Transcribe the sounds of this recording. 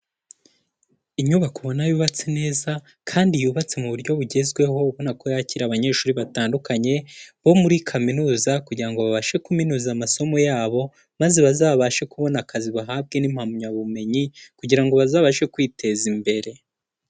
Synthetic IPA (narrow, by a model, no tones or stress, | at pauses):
iɲuβakuβo̞najuːβat͡sene̞ːza | kʰaːndijuβat͡se̞muβuɾɟo̞βuɟe̞zɡwe̞ɦo̞uβo̞nako̞jaciɾaβaɲe̞ːʃuːɾiβataːndukaɲe̞βo̞muɾikʰaminuːzakuɟiɾaŋɡo̞βaβaʃe̞kuminuːzamaso̞mo̞jaːβo̞ | mazeβazaːβaʃekuβo̞nakʰaziβaɦaːb̚ɡe̞nimhamuɲaβume̞ɲikuɟiɾaŋɡo̞βazaːβaʃe̞kwiːtʰe̞zimbe̞ɾe̞